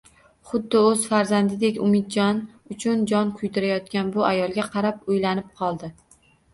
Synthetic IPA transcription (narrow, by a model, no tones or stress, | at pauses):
χʊd̪ːɪɵz̥faɾzand̪ɪd̪e̞kʲʊmɪt̪̚d͡ʒɒnʊt͡ʃʰʊnd͡ʒɒnkʰʊjd̪ɪɾajɒt̪̚kʲanbʊʔajɒlˠɡʲaqʰɑɾapojlanɪp̚qʰɒlˠd̪ɪ